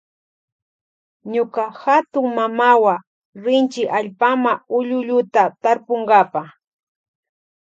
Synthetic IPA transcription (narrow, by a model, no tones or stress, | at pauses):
ɲʊkahat̪ʊŋmamawa | ɾɪnt͡ʃɪʔaʎpamaʊʎʊʎʊt̪at̪aɾpoŋɡapa